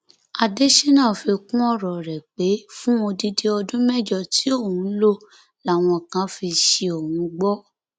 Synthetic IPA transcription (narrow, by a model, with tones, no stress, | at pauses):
a˧de˦ʃe˦nã˦˨fi˧kũ˦ɔ˦ɾɔ˨ɾɛ˨k͡pe˨˦fũ˦o˧di˧de˦ɔ˧dũ˦mɛ˦˨d͡ʒɔ˦˨ti˨˦o˦˨hũ˨˦lo˦ | la˦˨w̃ɔ̃˧˨kã˦fi˧ʃe˧o˨hũ˨˧˦ɡ͡bɔ˦